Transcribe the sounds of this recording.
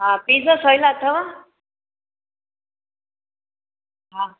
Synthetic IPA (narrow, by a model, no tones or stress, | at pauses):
ɦãpid͡zəsəjlaːt̪ʰːaʋa | ɦã